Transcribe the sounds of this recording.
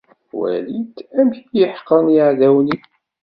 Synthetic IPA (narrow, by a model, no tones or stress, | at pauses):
wæ̰lit̪ːæmçjəħqənjəʕðæwni